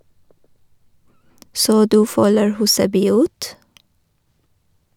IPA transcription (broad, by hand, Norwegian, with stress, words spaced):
ˈsoː ˈdʉː ˈfœləɹ ˈhʉːsəbyː ˈʉːt